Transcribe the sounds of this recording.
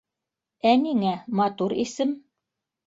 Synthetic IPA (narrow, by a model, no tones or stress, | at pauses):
æniŋæmɑt̪uɾisɘm